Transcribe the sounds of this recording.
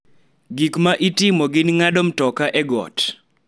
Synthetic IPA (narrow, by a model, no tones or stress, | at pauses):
ɡikmaʔitimoɡɪnŋadɔm̩tɔkaʔɛɡɔ̰t